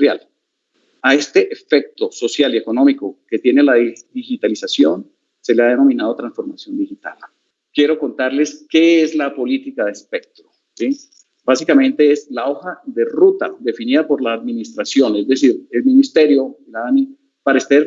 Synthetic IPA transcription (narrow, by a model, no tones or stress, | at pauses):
ɾja̰l | ae̞st̪e̞ʔefe̞k̚t̪o̞so̞sjalie̞ko̞no̞miko̞ket̪je̞nelaðiðixit̪alisasjo̞n | se̞leaðeno̞mĩnað̞o̞t̪ɾansfo̞ɾmasjo̞nd̪ixit̪a̰l | kje̞ɾo̞ko̞nt̪aɾle̞ske̞eslapo̞lit̪ikaðespe̞k̚t̪ɾo | si | basikamẽ̞nt̪e̞eslao̞xaðe̞rut̪a̰ðe̞finið̞apo̞ɾlaːðminist̪ɾasjo̞ne̞zd̪e̞siɾe̞lminist̪e̞ɾjo̞ilaani | paɾaest̪eɾ